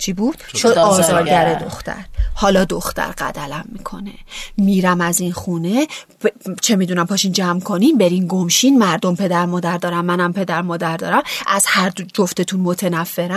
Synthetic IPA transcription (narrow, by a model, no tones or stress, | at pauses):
t͡ʃʰibuːd̪̥ʃod̪ɒːzɒːɾɡæɾed̪oxt̪ʰæ̰ɾhɒːlɒːd̪oxt̪æ̰ɾɢæ̰d̪ælæmːikʰo̞ne̞miːɾæmæzinxuːne̞bt͡ʃʰe̞miːd̪unæmpʰɒːʃind͡ʒæmkʰo̞ninbe̞ɾinɡomʃinmæɾd̪o̞mpʰe̞d̪æɾmɒːd̪æɾd̪ɒːɾæmːænæmpʰe̞d̪æɾmɒːd̪æɾd̪ɒ̰ːɾæmʔæzhæɾd̪d͡ʒoft̪e̞t̪ʰunmo̞t̪ʰe̞næfːe̞ɾæ